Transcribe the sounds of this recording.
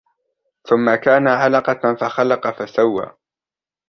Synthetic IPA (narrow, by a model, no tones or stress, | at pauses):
θʊmːakaːnaʕalɑqɑfaxalɑqɑfasawːa̰ː